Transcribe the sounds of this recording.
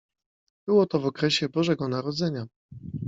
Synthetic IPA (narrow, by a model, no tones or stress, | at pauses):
b̥ɘwɔt̪ɔvɔkɾɛɕɛbɔʐɛɡɔnaɾɔd̪zɛɲa